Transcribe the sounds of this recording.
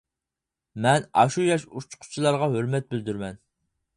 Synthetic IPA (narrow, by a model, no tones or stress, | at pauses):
mɛnɑ̰ʃujɑʃut͡ʃʰqʰʊ̥t͡ʃʰilˠɑɾʁɑɦøɾmɛt̪̚bɪld̪yɾmɛn